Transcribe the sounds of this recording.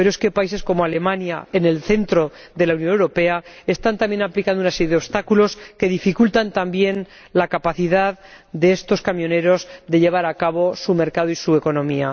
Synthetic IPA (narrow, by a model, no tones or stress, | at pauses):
pe̞ɾoeske̞pais̬e̞sko̞moale̞mãnja̰e̞ne̞lθe̞nt̪ɾo̞ | ðe̞launjonewɾo̞pe̞ae̞st̪ant̪ambje̞naplikand̪unase̞ɾjeðeo̞βst̪akulo̞ske̞ðifikult̪ant̪ambje̞n | lakapaθiðað | d̪e̞est̪o̞skamjo̞ne̞ɾo̞zðe̞ʎe̞β̞aɾakaβ̞o̞sume̞ɾkað̞oisue̞ko̞nõ̞mia